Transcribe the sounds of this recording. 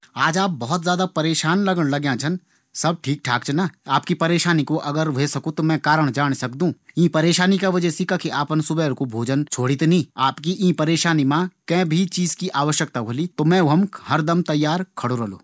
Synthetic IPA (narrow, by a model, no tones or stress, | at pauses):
aːd͡ʒaːp̚bɔɦɔt̪zjaːd̪apɐɾeːʃaːnlɐɡəɽ̃lɐɡjãt͡ʃʰɐn | sɐb̚ʈʰiːk̚ʈʰaːkt͡ʃʰnaaːpkipɐɾeːʃaːnikoʔɐɡəɾʋeːsɐkũt̪omɛ̃kaːɾəɽ̃d͡ʒaːɽ̃sɐkd̪ũːĩːpɐɾeːʃaːnikaʋɐd͡ʒəsikakʰeʔaːpənsʊbɛːɾkobʱoːd͡ʒənt͡ʃʰoːɽit̪nĩːaːpkiʔĩːpɐɾeːʃaːnimãkɛ̃ːbʱit͡ʃiːzkiʔaːʋəʃjək̚t̪aʋʱolit̪omɛ̃ːɦɐmhɐɾd̪əmt̪ɐjːaːɾkʰɐɽoɾɐlo̰ː